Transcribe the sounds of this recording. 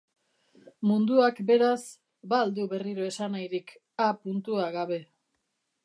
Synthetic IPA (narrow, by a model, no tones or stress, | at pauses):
mund̪uakbe̞ɾas | bald̪uβe̞riɾoe̞sanajɾik | apunt̪uaɣaβe̞